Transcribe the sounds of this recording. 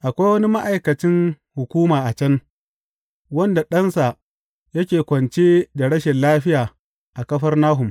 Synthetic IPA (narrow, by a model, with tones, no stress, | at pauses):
ʔa˨kʷa˦jwɐ˦ni˦ma˦ʔa˨jkɐ˨t͡ʃɪ˦n | hʊ˨kʷuː˦maː˨ʔa˨t͡ʃɐ˦n | wɐ˦nda˨ɗɐ˦nsa˨ | jɐ˦kʲeː˨kʷɐ˨nt͡ʃeː˦da˨ɽɐ˦ʃɛ˨nlaː˦ɸɪ˦jaː˨ | ʔa˨kɐ˦ɸɐ˦rnaː˦ɦʊ˨m